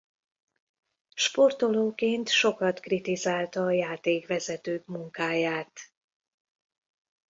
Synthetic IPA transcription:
ʃpo̞rt̪o̞loːkeːnt̪ʃo̞kɒt̪krit̪izaːlt̪ɒːjaːt̪eːkʋɛzɛt̪øːkmuŋkaːjaːt̪

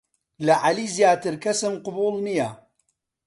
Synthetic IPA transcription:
lɐʕaliːzjaːt̪ɨɾkʰɐsɨmqʊbuːlnijɐ

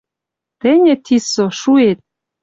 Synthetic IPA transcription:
t̪ĕnʲɘ̆t̪ʰisoʃuet̪̚

